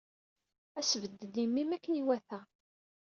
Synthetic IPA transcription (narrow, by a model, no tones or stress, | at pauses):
æsvəd̪ːəd̪imːimækːəniwæθæ